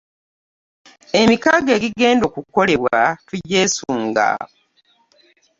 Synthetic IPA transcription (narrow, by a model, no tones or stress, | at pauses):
e̞mikaɡe̞ːɡiɡe̞ːndo̞kuko̞le̞βwatuɟːe̞ːsuːŋɡa̰